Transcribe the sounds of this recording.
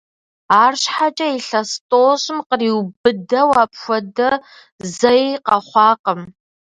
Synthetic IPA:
aːrɕħat͡ʃʼɐiɬɐstʼoːɕʼɪmqəriːwbɨdɐwaːpʰxʷɔdɐ | zɐqɐχʷɑːqəm

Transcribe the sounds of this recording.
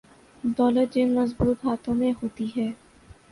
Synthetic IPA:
d̪ɔːlət̪̚d͡ʒɪnmɐzbuːt̪ɦaːt̪ʰõmẽɦoːt̪iɦɛː

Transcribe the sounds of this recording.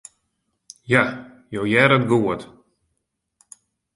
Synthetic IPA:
ja | jowjɛɾət̚ɡuət

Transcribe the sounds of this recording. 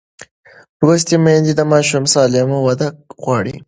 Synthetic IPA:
ɾos̬t̪imend̪id̪əmɑʃumsɑlemowad̪ak̚ɣwɑːɽḭ

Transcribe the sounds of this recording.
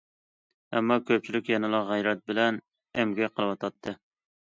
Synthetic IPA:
ɛmːɑkʲʰøp̚t͡ʃʰilykʲjɛnɨlˠɑʁæjɾɛt̪̚bɪlɛn | ɛmɡʲɛqʰəlˠɨwɑt̪ʰɑt̪ʰːɨ

